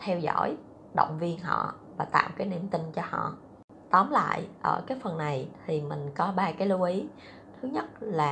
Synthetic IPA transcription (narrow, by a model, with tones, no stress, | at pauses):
t̪ʰɛ˧wzɔ˧˥˨j | ɗə̰˧˨wŋ͡mvi˧ənɦɔ̰˧˨ | vaː˨˩t̪a̰ː˧˨wkaː˨˦jni˧mt̪ï˧ŋt͡ɕɔ˧hɔ̰˧˨ | t̪ɔ˨˦mla̰ː˧˨jʔəː˧˩kaː˨˦jfə˨˩nːa˨˩jt̪ʰi˨˩mï˨˩ŋ̟kɔ˨˦ɓaː˧kaː˨˦jlu˧ʔi˨˦ | t̪ʰɨ˨˦ɲə˦˥t̚laː˨˩